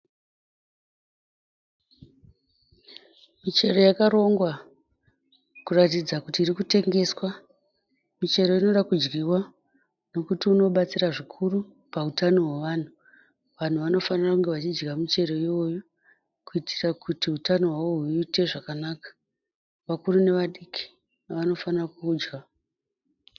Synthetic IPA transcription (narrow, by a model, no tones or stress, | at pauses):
mit͡ʃe̞ro̞jakaɾo̞ŋɡwa | kuratid͡zakutiːɾikute̞ŋɡe̞swa | mit͡ʃe̞ɾo̞ino̞ɗakud͡ʒɡiwa | no̞kutiuno̞ɓat͡siraʐikʰuru | pautano̞ɦweʋan̤u | ʋan̤uʋano̞fanirakuŋɡe̞ʋat͡ʃid͡ʒɡamit͡ʃe̞ɾo̞io̞ju | kuitirakutiɦutano̞ɦwawo̞ɦuite̞ʐakanaːkḁ | ʋakurune̞ʋaɗikʰi̥ | ʋano̞fanirakuːd͡ʒɡa